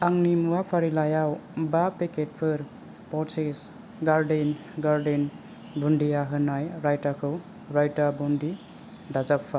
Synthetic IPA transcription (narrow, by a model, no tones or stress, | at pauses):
aŋnimuapʰaɾilajawbapeket̚pʰɯɾ | pɔses | ɡaɾden | ɡaɾden | bundiaɦɯnajɾajtakʰɯw | ɾajtabundi | dazapʰfa